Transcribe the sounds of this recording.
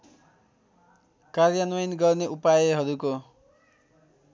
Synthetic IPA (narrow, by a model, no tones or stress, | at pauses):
karjanwʌjnɡʌrneʔupajeɦʌɾuko